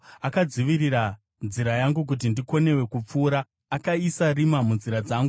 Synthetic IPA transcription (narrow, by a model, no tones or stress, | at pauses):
akad͡ziʋiɾiɾa | nziɾajaŋɡuk̬ut̬indiko̞ne̞we̞kup͡fuːɾaː | kaisarimamunziɾad͡zaːŋɡu